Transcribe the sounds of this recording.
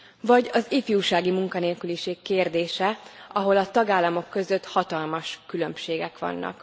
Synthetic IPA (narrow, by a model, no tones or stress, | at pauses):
vɒɟɒzifjuːʃaːɡimuŋkɒneːlkyliʃeːkːeːrd̪eːʃɛɒɦo̞lɒt̪ɒɡaːlːɒmo̞kːø̞zø̞t̪hɒt̪ɒlmɒʃkylø̞mʃeːɡɛkʋɒ̰nːɒ̰k